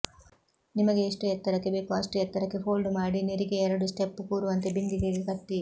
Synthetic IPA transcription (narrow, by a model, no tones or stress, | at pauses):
nimɐɡeːʂʈuɛt̪ːɐɾɐkːebepaːsʈuɛt̪ːɐɾɐkːepʰoːlɖumaːɽineɾiɡeɛɾɐɽusʈepːukuːɾuʋɐnt̪ebind̪iɡeɡekɐʈ̪ːi